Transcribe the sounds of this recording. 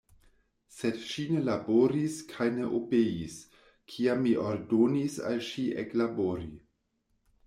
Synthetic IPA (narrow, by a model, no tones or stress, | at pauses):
sedʃinelaboɾiskʰajneʔopeis | kʰiamːiʔoɾdonisa̰lʃiʔeklaboɾi